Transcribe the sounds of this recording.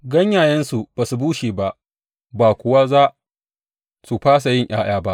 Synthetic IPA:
ɡɐ˦ɲjaː˨jɐ˦nsu˨b̥a˨su˨buː˦ʃiː˨ba˦ʔ | baː˨kʷʊ˨wa˦zaː˦ | su˨ɸaː˦s̬a˨jɪ˦ɲʔa̰ː˦j̰aː˦ba˦ʔ

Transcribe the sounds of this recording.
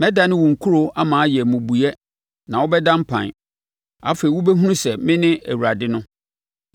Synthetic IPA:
mɛ̃˦da˨nɪ̃˦wʊ̃˨ŋ̩˨kʰu˦ɾo˨a˦mãː˨a˦jɛ˨mʊ̃˨bu˨jɛ˦ | nã˨wɔ˦bɛ˦dã˦m̩˦pʰã̰˨n˨ | a̰˦fe˨i˨wʊ˦bɛ˦ɦũ˦nũ˦sɛ˨mɪ̃˦nɪ̃˦ʔæ̰˨wu˨ɾa˨dɪ˦nʊ̃˦

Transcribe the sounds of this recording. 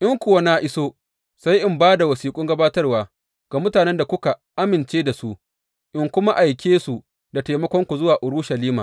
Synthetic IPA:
ʔɪ˦ŋkʷʊ˨wa˦naː˦ʔɪ˦soː˦ | sa˦jʔɪ˨mbaː˦da˨wɐ˨siː˨kʷʼʊ˦ŋɡɐ˦baː˦tɐ˦rwaː˨ | ɡ̥a˨mʊ˦taː˨nɛ˦nda˨kʷʊ˦ka˨ʔa˦mɪ˨nt͡ʃeː˦da˨su˦ʔ | ʔɪ˨ŋkʷʊ˦ma˦ʔa˨jkʲeː˦su˨ | da˨ta˨jmɐ˦kʷɔ˦ŋkʷu˨zʊ˦waː˨ʔʊ˨ɽʊ˦ʃɐ˨liː˦maː˨

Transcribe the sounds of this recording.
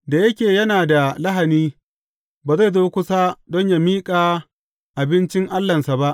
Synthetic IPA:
da˨jɐ˦kʲeː˨jɐ˦naː˨da˨la˦ɦa˨niː˦ | baː˨za˦˨jzoː˦kʷʊ˦saː˦dɔ˦ɲja˨miː˦kʼaː˨ | ʔa˨bɪ˦nt͡ʃɪ˦ŋʔa˦lːɐ˨nsa˨ba˦ʔ

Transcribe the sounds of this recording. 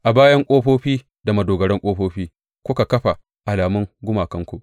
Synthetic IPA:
ʔa˨baː˦jɐ˦ŋkʷʼoː˦ɸoː˦ɸiː˦ | da˨mɐ˨doː˨ɡɐ˨ɽɛ˦ŋkʷʼoː˦ɸoː˦ɸiː˦ | kʷʊ˦ka˨kɐ˦ɸa˨ | ʔa˨laː˨mʊ˦ŋɡʷʊ˦maː˨kɐ˦ŋkʷu˨ʔ

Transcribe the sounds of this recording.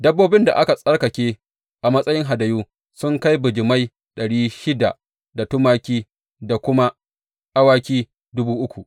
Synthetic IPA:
dɐ˦bːoː˦bɪ˦nda̰˨ʔa˦ka˨sʼɐ˦ɽkɐ˨kʲeː˦ | ʔa˨mɐ˦sʼɐ˦jɪ˦ŋɦa˨dɐ˨juː˦ | sʊ˦ŋka˦jbʊ˨d͡ʒɪ˨ma˦j | ɗɐ˨ɽiː˦ʃɪ˦da̰˨ʔ | da˨tʊ˦maː˦kʲiː˦ | da˨kʷʊ˦ma˦ | ʔa˦waː˦kʲiː˦ | dʊ˦buː˦ʔʊ˦kʷu˨ʔ

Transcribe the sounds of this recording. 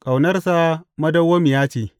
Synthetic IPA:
kʼa˨wnɐ˦rsa˦mɐ˦dɐ˦wːo˦mi˨jaː˦t͡ʃeː˨

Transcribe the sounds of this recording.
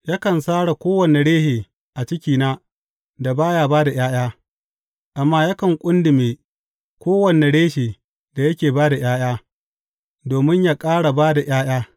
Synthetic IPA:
ja˦kɐ˨nsaː˦ɽa˨kʷoː˦wɐ˨ne˨ɽeː˦heː˨ | ʔa˨t͡ʃɪ˦kʲiː˨naː˦ | da˨baː˦jaː˦baː˦da˨j̰aː˦j̰aː˦ | ʔa˨mːaː˦ja˦kɐ˨ŋkʷʼʊ˦ndɪ˨meː˨ | kʷoː˦wɐ˨ne˨ɽeː˦ʃeː˨ | da˨jɐ˦kʲeː˨baː˦da˨j̰aː˦j̰aː˦ | doː˨mɪ˦ɲjaː˦kʼaː˦ɽa˨baː˦da˨j̰aː˦j̰aː˦

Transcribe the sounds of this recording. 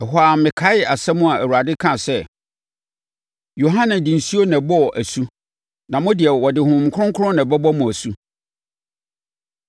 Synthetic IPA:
ɛ˨ɦa˨mmːɪ̃˨kʰa˦ɪ˨a˨sɛ˦mʊ̃˦a˨æ˨wu˨a˨dɪ˦kʰã˨sɛ˦ | jo˨ɦã˦nɪ̃˨di˨n̩˨si˦o˦nɛ̃˨bɔ˦˨ʔæ˨su˦ | nã˨mʊ̃˦dɪ˨ɛ˨wɔ˨dɪ˨hʊ̃˨m˨kʰʊ˦ʊ̃˦ŋkʰʊ˦ɾʊ̃˦nɛ̃˨bɛ˦bɔ˦mʊ̃˨æ˨su˦

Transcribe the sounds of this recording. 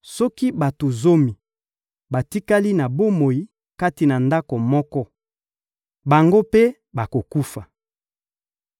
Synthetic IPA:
sɔ˦ki˦ba˨to˨zo˦mi˨ | ba˨ti˦ka˦li˦na˨bo˦mo˨i˦ | ka˦ti˨na˨nda˦ko˨mɔ˦kɔ˦ | ba˨ŋɡo˦pe˦ | ba˨ko˨ku˦fa˨

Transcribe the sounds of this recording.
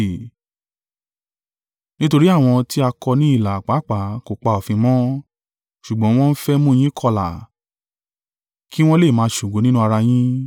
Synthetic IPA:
nĩ˦to˧ɾi˦a˦˨w̃ɔ̃˧ti˦a˧kɔ˧nĩ˨˦i˦˨la˨k͡pa˨˦k͡pa˨˦ko˨k͡pa˧ɔ˨fĩ˧mɔ̃˦ | ʃu˨ɡ͡bɔ̃˨˦w̃ɔ̃˦n̩˦fɛ˦mũ˦˨j̃ĩ˦kʰɔ˧la̰˨ | ki˦w̃ɔ̃˦le˦˨mãː˨˧˦ʃu˨ɡo˨˦nĩ˦nũ˦a˧ɾa˧j̃ĩ˦

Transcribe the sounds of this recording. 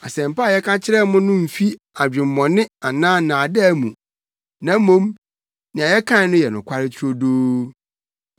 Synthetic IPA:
a˨sɛ̃˨m̩˨pa˦˨jɛ˦kʰa˦t͡ɕʰɪ˦ɾɛ˦mʊ̃˦nʊ̃˦m̩˨fi˦ | a˨d͡ʑᶣɪ̃˨m̩˨mɔ̃˨nɪ̃˦a˨nãː˦nã˨dɛ˦˨mũ˨ | nã˨˦mõ˦m | nɪ̃˨a˨jɛ˦kʰã˦˨nʊ̃˦jɛ˨nʊ̃˨kʷʰa˦ɾɪ˦tʰʊ˦ɾo˦doː˦

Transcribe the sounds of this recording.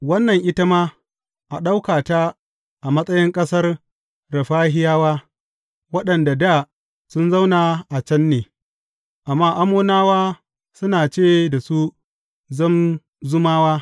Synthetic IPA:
wɐ˦nːɐ˨ŋʔɪ˦ta˦maː˦ | ʔa˨ɗa˦wkaː˨ta˦ | ʔa˨mɐ˦sʼɐ˦jɪ˦ŋkʼɐ˦sɐ˦r | ɾɐ˨ɸaː˦ɦɪ˦jaː˦waː˦ | wɐ˦ɗɐ˨nda˨daː˦˨ | sʊ˦nzɐ˦wna˨ʔa˨t͡ʃɐ˦nːeː˨ | ʔa˨mːaː˦ʔa˦moː˦naː˦waː˦ | sʊ˦naː˨t͡ʃeː˦˨da˨su˦ | zɐ˦m | zʊ˦maː˦waː˦

